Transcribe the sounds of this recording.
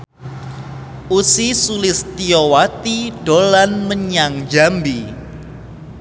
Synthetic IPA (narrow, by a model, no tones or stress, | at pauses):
usisulɪst̪iowat̪iɖ̥olanməɲaŋd͡ʒambi